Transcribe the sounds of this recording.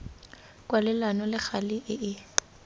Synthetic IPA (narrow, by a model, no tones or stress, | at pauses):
kʼwalɪlanɔlɪχalɪʔɪʔɪ